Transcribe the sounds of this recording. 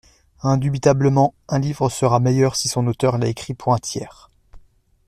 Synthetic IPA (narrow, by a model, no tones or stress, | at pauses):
ɛ̃d̪ybit̪abləmɑ̃ɛ̃livʁəsəʁamejœʁsisɔ̃not̪œʁlaekχipʰuɛ̃t̪jɛːʁ